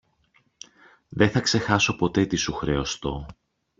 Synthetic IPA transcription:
ðe̞θɐkse̞xɐso̞po̞t̪e̞t̪isuxɾe̞ost̪o̞

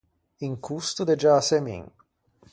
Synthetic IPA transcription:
iŋkʰust̪ud̪ɛd͡ʒasɛmḭŋ

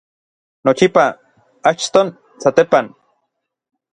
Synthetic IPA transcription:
not͡ʃipa | at͡ʃt̪on | sat̪epan

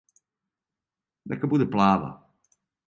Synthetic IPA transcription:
d̪ɛ̰kabud̪ɛplaːva̰

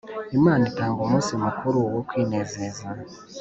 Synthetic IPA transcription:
imaːnitaːŋɡomuːsiomukʰuɾuwokwiːneːzeːza

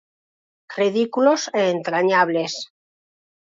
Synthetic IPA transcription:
riðikuloseːnt̪ɾaɲaβle̞s

